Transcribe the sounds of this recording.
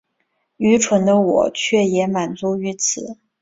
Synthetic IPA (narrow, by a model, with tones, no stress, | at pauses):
y˧˥ʈ͡ʂʰwə˧˥nd̪ə˧wɔ̰˨˩t͡ɕʰɥɛ˥˩jɛ˧˥ma˨˩nt͡su˧˥y˧˥t͡sʰɹ̩˨˩˦